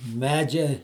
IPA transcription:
ˈmʲæːd͡ʒʲɛ

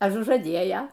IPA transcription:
ɐʒʊʒɐˈdʲeːjɛ

